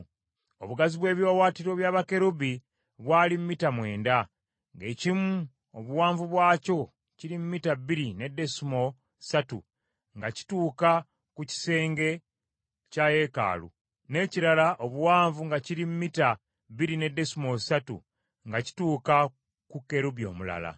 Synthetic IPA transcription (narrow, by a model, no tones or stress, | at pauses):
o̰βuɡaziβwe̞ːβjo̞ːwaːtiɾo̞βjaːβake̞ɾuβi | βwaːlimmitamwe̞ːnda | ŋɡe̞ːcimu | oβuwaːɱvuβwaːco̞ | ciɾimumitabiɾine̞de̞sumo̞ | satṵ | ŋɡaci̥tuːka | kuci̥se̞ːŋɡe̞ | caje̞ka̰ːlṵ | ne̞ciɾalaʔo̞βuwaːɱvuŋɡaciɾimumita | βiɾine̞dːe̞sumo̞satṵ | ŋɡaci̥tuːka | kukːe̞ɾubio̞̰mula̰la̰